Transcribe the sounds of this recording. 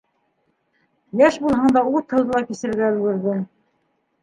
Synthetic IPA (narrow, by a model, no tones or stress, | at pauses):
jæʃbulˠɦɑɴd̪ɑut̪hɤ̆w̪ˠðɤ̆lˠɑkisɘ̆ɘ̆ɾɡæɵ̆lɡɘ̆ɾðɘ